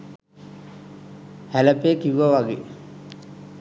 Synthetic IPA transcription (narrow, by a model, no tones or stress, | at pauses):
hæləpeːkiʋaʋaɡḛ